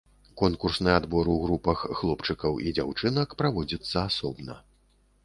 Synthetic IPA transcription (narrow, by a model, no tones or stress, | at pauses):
kɔnkursnɨjad̪bɔɾuɣɾupɐxːlˠɔpt͡ʂɨkɐwʔid͡zʲawt͡ʂɨnɐkpɾavɔd͡zʲit̪sːɐasɔbnɐ̰